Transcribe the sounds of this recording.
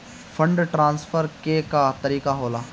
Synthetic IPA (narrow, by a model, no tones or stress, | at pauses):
fʰə̃ɳɖʈɾãːnsfʰəɾkekat̪ɐɾiːkaɦoːlaː